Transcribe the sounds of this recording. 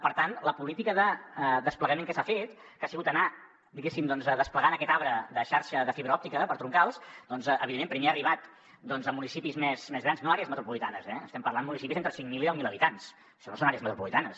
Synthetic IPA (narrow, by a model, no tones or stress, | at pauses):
pəɾt̪anləpulit̪ikəðəd̪əspləɣəmẽŋkɛsafet̪ | kasiɣut̪əna | d̪iɣesimd̪ɔnzəðəspləɣanəkɛt̪aβɾəðəʃaɾʃəðəfiβɾəɔp̚t̪ikəpəɾt̪ɾuŋkalˠsd̪ɔnzʔə̰iðemːempɾimeaəriβ̞at̪ | d̪ɔnzəmunisipizmɛzmezɣɾanznoaɾeəzmət̪ɾupulit̪anəzɛəst̪ɛmpəɾrland̪əmunisipizent̪ɾəsiŋmilˠiɛwmiləβit̪ans | ʃɔnosonaɾeəzmət̪ɾupulit̪anəs